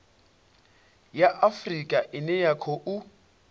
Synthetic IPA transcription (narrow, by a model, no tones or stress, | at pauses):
jaʔafrikʼaʔɪnɛjakʰɔʔʊ